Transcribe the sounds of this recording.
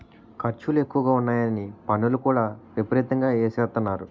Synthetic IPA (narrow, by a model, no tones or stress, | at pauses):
kʰɐɾt͡ʃulue̞kːuʋɐɡaːunːaːjɐnipɐnːulukuːɽaːʋepɐɾit̪ɐŋɡaːeːsɛːt̪ɐnːaːɾu